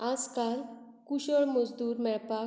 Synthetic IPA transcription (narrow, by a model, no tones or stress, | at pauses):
ãskal | kuɕəɭməd͡zd̪uːɾmɛɭpa